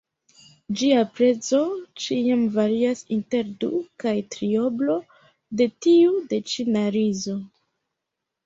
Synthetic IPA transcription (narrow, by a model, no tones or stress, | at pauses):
d͡ʒiapɾe̞t͡so̞t͡ʃiamvaɾiasinte̞ɾdṵkajtɾio̞blo̞ | de̞tiude̞t͡ʃinaɾizo̞